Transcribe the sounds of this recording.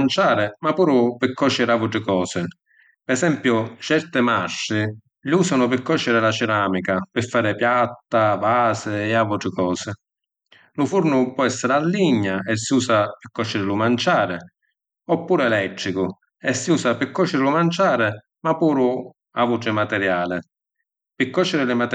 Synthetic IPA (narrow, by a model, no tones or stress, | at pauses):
nt͡ʃaːɾɪmapuːɾʊpɪkːɔt͡ʃːɪɾavuʈɾɪkɔːsɪ | pɛsɛmpjʊt͡ʃɛɾt̪ɪmaʃɪ | ʎiuːsanʊpɪkːɔt͡ʃːɪɾɪlat͡ʃɪɾaːmikapɪfːaːɾɪpjat̪ːavaːsɪɛavuʈɾɪkɔːsɪ | lʊfuɾnʊpwɔɛsːɪɾɪalːiɲːaɛsːiuːsapɪkːɔʃːɪɾɪlʊmant͡ʃaːɾɪ | ɔpːuːɾɛlɛt̪ːɾikʊ | ɛsːiuːsapɪkːɔʃːɪɾɪlʊmant͡ʃaːɾɪ | mapːuːɾʊ | avuʈɾɪmat̪ɛɾjaːlɪ | pɪkːɔt͡ʃːɪɾɪlɪmat̪